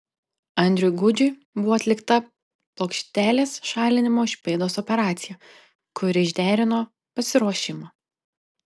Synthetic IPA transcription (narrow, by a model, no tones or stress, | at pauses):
ɐnʲd̪ʲɾʲʊjɡʊd͡ʒʲʊɪ | bʊʋoːɐt̪ʲlʲɪkt̪ɐ | plˠoːkʃʲt̪ʲæːlʲeːsʃɑːlʲɪnʲɪmoːɪʃʲpʲeːd̪oːsɔpʲɛɾɑːt̪sʲɪjɛ | kʊɾʲɪɪʒʲd̪ʲæːɾʲɪnoː | pɐsʲɪɾuɔʃʲɪmɑː